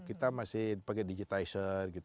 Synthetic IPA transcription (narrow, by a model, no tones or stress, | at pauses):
kit̪amasɪhipaɡɛdid͡ʒit̪aisərɡit̪